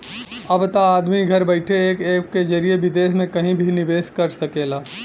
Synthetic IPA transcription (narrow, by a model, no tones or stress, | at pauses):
ɐbt̪aaːd̪miɡʱɐɾbəɪʈʰeeːkeːkked͡ʒɐɾijeʋɪd̪eːʃmẽkɐɦĩbʱinɪʋeːskɐɾsɐkeːlaː